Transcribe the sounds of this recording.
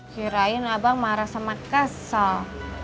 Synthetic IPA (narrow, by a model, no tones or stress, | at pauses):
kiɾajʊnabaŋmaɾasamakasa